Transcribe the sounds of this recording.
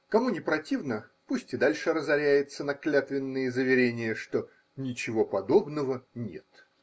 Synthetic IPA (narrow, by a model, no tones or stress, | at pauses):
kɐmunʲɪpɾɐtʲivnəpusʲtʲɪd̪alʲʂɨɾəzɐɾʲæjɪt̪sənɐklʲat̪vʲɪnːɨjəzəvʲɪɾʲenʲɪjəʂt̪o̞ | nʲɪt͡ɕɪvo̞pɐd̪o̞bnəvənʲe̞̰t̪